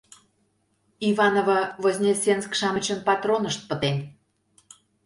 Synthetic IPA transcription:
ivɑnovɑvozʲnʲesʲenskʃɑmə̆t͡ɕənpɑt̪ronəʃt̪̚pə̆t̪en

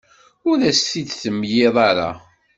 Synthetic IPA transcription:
ʊɾæsθid̪θəmːjɪðˤɑɾa̰

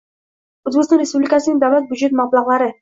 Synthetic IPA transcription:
ɵzbekɪst̪ɑnɾespublɪkʲasɪnɪŋd̪awlæt̪̚bʊd͡ʒet̪mɑblˠɑʁlˠɑɾɪ

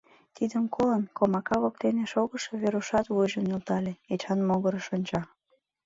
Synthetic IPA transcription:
t̪id̪əmkʰolənkomɑkɑβok̚t̪eneʃoɣəʃoβeɾuʃɑt̪βujʒənylt̪ɑlʲeet͡ɕɑnmoɣəɾəʃonʲt͡ɕɑ

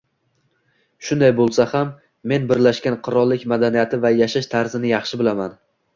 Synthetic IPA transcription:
ʃʊnd̪ajbolˠsahamː | e̞nbɪɾlaʃkʲanqʰʊɾɒlˠːɪkʲmad̪anijat̪ʰɪvajaʃaʃt̪ʰaɾzɪnɪjɑχʃɪbɪlaman

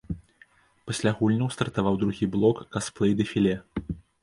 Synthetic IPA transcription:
pasʲlʲaɣulʲnɐwst̪ɐrt̪avawd̪ɾuɣʲiblˠɔkːasplˠɛjd̪ɐfʲilʲɛ

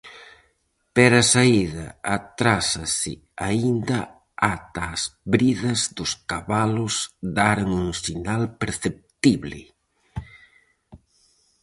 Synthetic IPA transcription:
peɾɐsaiðɐ̰ːt̪ɾasɐsɪ̰ | aind̪ɐ | at̪aːzβɾiðɐzd̪ʊskaβalʊsd̪aɾŋuŋsinalpeɾθep̚t̪iβlɪ̰

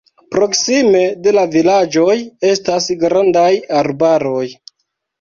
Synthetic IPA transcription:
pɾo̞ksime̞de̞lavilad͡ʒo̞je̞stasɡɾandajaɾbaɾo̞j

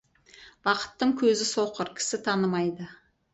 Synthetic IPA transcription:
bɑqə̥t̪ːəɴkʲʰɵzɪsoqəɾkʲʰɪ̥sɪt̪ʰɑnəmɑjd̪ə

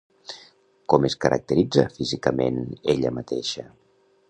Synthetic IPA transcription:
kɔməskəɾʔə̰k̚t̪əɾid͡zəfizikəmeneʎəmət̪eʃə

